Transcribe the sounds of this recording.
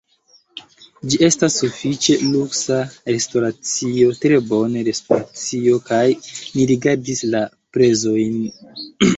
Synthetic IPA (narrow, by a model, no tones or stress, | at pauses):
d͡ʒie̞stasːufit͡ʃe̞luksaɾe̞sto̞ɾat͡sio̞tɾe̞bo̞neɾe̞stoɾat͡sio̞kajniɾiɡaɾdisla | pɾe̞zo̞jn